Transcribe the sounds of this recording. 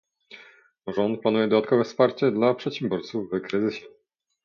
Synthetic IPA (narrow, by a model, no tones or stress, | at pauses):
ʐɔnt̪̚planujɛd̪ɔd̪at̪̚kɔvɛfspaɾt͡ɕɛd̪lapʂɛt̪ɕɛmbjɔɾt̪suvːɘkɾɘzɘɕɛ